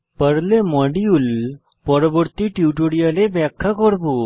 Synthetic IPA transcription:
pəɽlemɔɽiul | pɔɾɔbɔɾt̪iʈiʈoɽijalebɛkʰːakɔɽbu

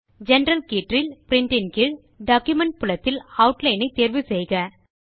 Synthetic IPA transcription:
d͡ʒɛnɾɐlkiːʈrɪlpɾɪɳʈɪnkɪɭ | ɖaːkjʊmɛɳʈ̚pʊlɐt̪ːɪlɐʊʈlɐɪnɐɪt̪ːeːɾʋɯsɛjɣɐ

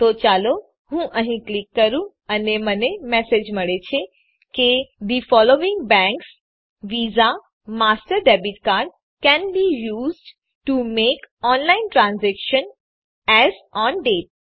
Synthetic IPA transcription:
t̪ot͡ʃalo | hũʔəɦĩklikːəɾũ | ənemənemɛsed͡ʒməɭet͡ʃʰe | ked̪ifɔloɪ̃ŋɡbɛ̃ŋks | ʋiza | masʈəɾɖɛbiʈkaɾɖ | kɛ̃nbijuːzɖ | ʈumekɔnlaɪnʈɾãnzɛkʃən | ɛzɔnɖeʈ̚

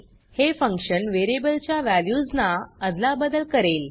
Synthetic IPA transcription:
hefə̃ŋkʂənʋeɾebəlt͡ɕjaʋæljud͡znaəd̪labəd̪əlkəɾel

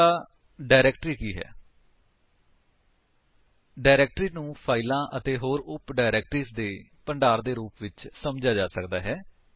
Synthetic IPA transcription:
aː | ɖaːɪɾɛːkʈɾiːkiːɦɛ̰ː | ɖaːɪɾɛːk̚ʈɾiːnũːpʰaːɪlãːʔət̪eːɦoːɾʊpɖaːɪɾɛːk̚ʈɾiːsd̪eːpəɳɖaːɾd̪eːɾuːpʋɪt͡ʃsəmd͡ʒaːd͡ʒaːsəkd̪aːɦɛː

